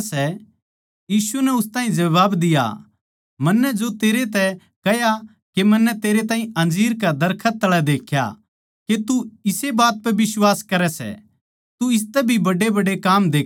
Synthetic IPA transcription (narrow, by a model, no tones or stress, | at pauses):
sɛ | jiːsunɛʊst̪ãːĩd͡ʒɐʋaːbd̪ɪja̰ | mɐnːɛd͡ʒot̪eːɾet̪ɛ | kɐja | kemɐnːɛt̪eːɾet̪aːɦĩɐ̃nd͡ʒiːɾkad̪ɐɾkʰət̪̚t̪ːɐɭɛd̪eːkʰja̰ | ket̪uɪsebaːt̪̚pɛbɪswaːskɐɾɛsɛ̰ | t̪uɪs̬t̪ɛbʱibɐɖebɐɖekaːmd̪eː